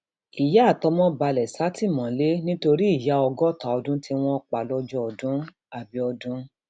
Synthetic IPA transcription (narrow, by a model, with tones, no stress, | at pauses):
i˨ja˨˦˨tɔ˧mɔ̃˦ba˧lɛ˨sa˨˦ti˦˨mɔ̃˨le˦nĩ˦to˧ɾi˦i˦˨ja˨˦ɔ˧ɡɔ˦˨ta˨ɔ˧dũ˦ti˧w̃ɔ̃˦˧k͡pa˨lɔ˦d͡ʒɔ˦ɔ˧dũ˦ | a˦˨bi˧˦ɔ˧dũ˨˦